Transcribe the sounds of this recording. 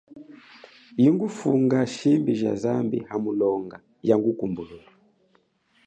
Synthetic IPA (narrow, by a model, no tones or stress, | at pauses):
jiŋɡufuŋɡaʃimbiʒa̰zambḭhamulɔŋɡa | jaŋɡukumbulula